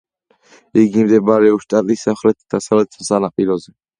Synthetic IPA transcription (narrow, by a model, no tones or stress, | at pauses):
iɡimd̪ɛbaɾɛɔʃt̪ʼat̪ʼisamχɾɛt̪ʰd̪̥asavlɛt̪ʰsanapʼiɾɔzɛ